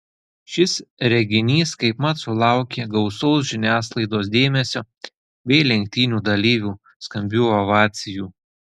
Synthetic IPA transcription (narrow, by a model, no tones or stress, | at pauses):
ʃʲɪsɾʲɛɡʲɪnʲiːskɐɪpmɐt̪sʊlˠɑˑʊkʲeːɡɒʊsɔʊs̬ʒʲɪnʲæːslˠɐɪd̪oːs̬d̪ʲeːmʲɛsʲoː | bʲɛɪlʲɛŋʲk̚t̪ʲiːnʲuːd̪ɐlʲiːʋʲuː | skɐmʲbʲuːɔʋɑːt̪sʲɪjuː